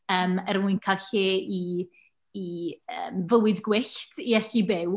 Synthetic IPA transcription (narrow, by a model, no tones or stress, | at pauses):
əːmərmuɨnkʰaɬei | iə̰ːmvəwɨdɡwɪɬtʰiɛɬibɪw